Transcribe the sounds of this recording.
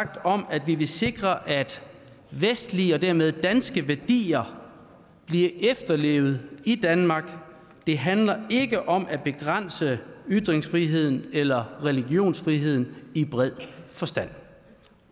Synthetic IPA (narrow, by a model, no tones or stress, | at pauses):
ɡ̥̚d̥ɒ̽mæd̥ʋiʋe̝se̝ɡ̥ʁɐʔæd̥ | ʋesd̥liɒ̽d̥æɐmeð̞ˠd̥ænsɡ̥əʋæɐd̥ḭːɐ | b̥liɐʔefd̥ɐle̝̰ʊð̞̩ˠid̥ænmɑ̈ɡ̥ | d̥e̝ɦænlɐe̝ɡ̥əʔɒ̽mʔæb̥e̝ɡ̥ʁan̰səyd̥ʁeŋsfʁiɦe̝ð̞̰ˠn̩elɐʁɛliɡ̥jo̝̰ːnsfʁiɦe̝ð̞̰ˠn̩ib̥ʁɛð̰ˠfɒ̽sd̥æn̰